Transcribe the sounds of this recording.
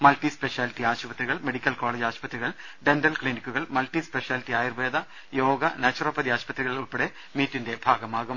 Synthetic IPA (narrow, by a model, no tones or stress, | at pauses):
mɐlʈispeʂjaːlitːiaːɕupɐt̪riɣɐɭmeɽikʲːɐlkoːɭeːd͡ʑaːɕpɐt̪riɣɐɭ | ɖendɐlkɭinikʲːuɣɐɭmɐlʈispeʂjaːlitːiaːjirʋeːd̪ɐ | jo̞ːɡɐnaːt͡ɕːurɐpːɐd̪iaːɕpɐt̪riɣɐɭuɭpːɐɽe | miːtːinde̞bʱaːɡɐmaːɡɐm